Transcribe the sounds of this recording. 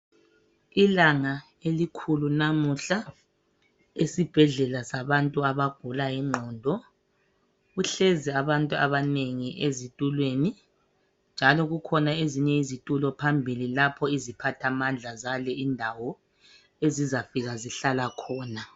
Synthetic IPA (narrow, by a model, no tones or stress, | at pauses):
ilaŋa | elikʰulunamuɬa | esib̥ʱɛɮɛlasaβantʼuaβaɡ̥ʱulajiŋ͡ǃʱɔːndʱɔ | ɣuɬɛzɛaβantʼuaβaneŋiʔezitʼulweni | nd͡ʒʱalɔɣukʰɔnaeziɲɛizitʼulɔpʰambʱililapʰɔizipʰatʰamand͡ɮʱazalɛindʱawɔ | ezizafiɣaziɬalakʰɔːna